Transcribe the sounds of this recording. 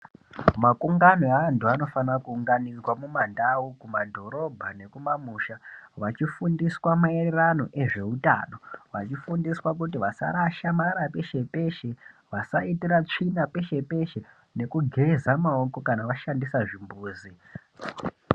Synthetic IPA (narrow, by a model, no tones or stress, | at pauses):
makuŋɡanoeantuano̞fanrakuːŋɡanirwamumandaukumadʱo̞ɾo̞bʱane̞kumamuːʃaʋat͡ʃifundiswamaererano̞ʔe̞ʐe̞uta̰no̞ʋa̰t͡ʃifundiswak̬utiʋasa̰ɾaʃamaɾape̞ʃe̞pe̞ʃe̞ | ʋasaitiɾat͡ʂinape̞ʃe̞pe̞ʃe̞ | ne̞kuɡʱe̞zamao̞ko̞kanaʋaʃandisaʐimbuːzi